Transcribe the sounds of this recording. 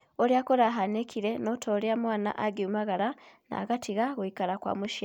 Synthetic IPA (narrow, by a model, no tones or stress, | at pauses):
oɾiakoɾaɦanekiɾe̞notʰoɾjamwaːna̰ʔaɡiumaɣaɾana̰ɡatʰiɣaɣoikalakwa̰muʃja